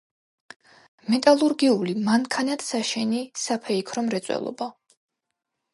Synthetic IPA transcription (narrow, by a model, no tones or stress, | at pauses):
mɛt̪ʼalˠuɾɡiulimaŋkʰanat̪saʃɛnisapʰɛikʰɾɔmɾɛt̪sʼwɛ̰lˠɔ̰ba